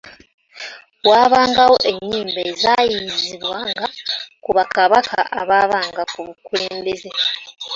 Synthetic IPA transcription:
waːβaːŋɡawo̞ʔe̞ɲːiːmbaːzajiziβwaŋɡakuβakaβakʰa̰ʔa̰βaːβaːŋɡakuβukule̞ːmbe̞ze

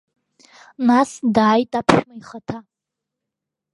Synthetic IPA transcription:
nasdaːjtʼapʰʃʷᶣmaiχatʰa

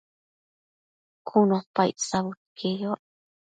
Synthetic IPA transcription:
kʰunopajsaβut̪̚kʰejoʔ

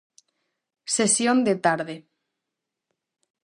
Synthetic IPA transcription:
sesjond̪et̪aɾðe

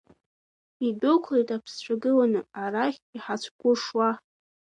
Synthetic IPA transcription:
idokʷʰlejtʼapʰst͡ɕʷʰaɡɨlanɨaɾaχʲiħat͡ɕʷʰɡʷʊʂwa

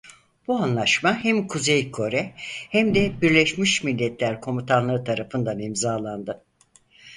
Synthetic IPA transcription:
b̥uanlˠaʃmahæmkʰuzejkʰo̞ɾɛhæmd̪ɛbiɾlʲɛʃmiʃmilʲːɛt̪ʰlʲæɾkʰo̞mit̪ʰanlˠɯɾɯt̪ʰaɾafɯnd̪animzaːlˠand̪ɯ

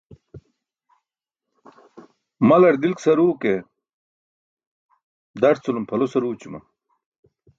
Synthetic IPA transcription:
mɐlɐɾd̪ilksɐɾuːke | d̪ɐɾt͡sulumpʰɐlosɐɾuːt͡ɕumɐ̰

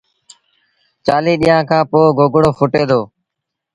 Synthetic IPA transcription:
t͡ʃaːliːɗiːjãːkʰãːpoːɡoːɡɽoːfʰʊʈeːd̪oː

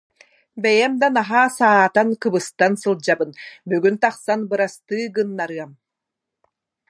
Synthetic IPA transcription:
bɛjɛmd̪anaɦaːsaːt̪ankɯbɯst̪ansɯlˠd͡ʑabɯnbyɡynt̪aχsanbɯɾast̪ɯːɡɯnːaɾɯɐm

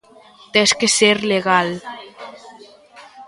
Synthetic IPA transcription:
t̪eskeseɾleɣal

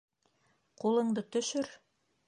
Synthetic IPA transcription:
qulˠɤ̆ɴd̪ɤt̪ɵ̆ʃɵɾ

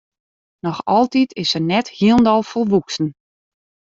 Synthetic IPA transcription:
nɔxɔlˠtitʰɪsənɛthiəlˠndɔlˠfolˠʋuksn̩

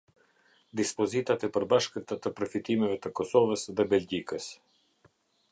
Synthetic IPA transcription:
d̪ispɔzit̪at̪ɛpəɾbaʃkət̪at̪əpɾɔfit̪imɛvɛt̪əkɔsɔvəsðɛbɛld͡ʒikəs

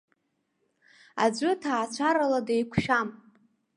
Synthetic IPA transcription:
ad͡ʒʷɨtʰaːt͡ɕʷʰaɾaladajkʷʰʃᶣam

